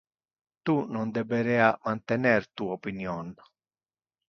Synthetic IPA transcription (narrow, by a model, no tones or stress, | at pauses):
t̪unɔnd̪ɛbeɾɛamant̪enɛɾt̪uaopinjɔn